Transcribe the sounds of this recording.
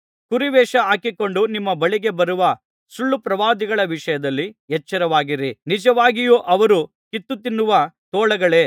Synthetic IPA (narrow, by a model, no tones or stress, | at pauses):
kuɾiʋɛːʂɐɦaːkiko̞ɳɖunimːɐbɐɭiɡe̞bɐɾuʋɐ | suɭːupɾɐʋaːd̪iɡɐɭɐʋiʂɐjɐd̪ɐlːiɦɛt͡ʃːɐɾɐʋaːɡiɾinid͡ʒɐʋaːɡijuːʔɐʋɐɾu | kit̪ːut̪inːuʋɐt̪ɔːɭɐɡɐɭe̞ː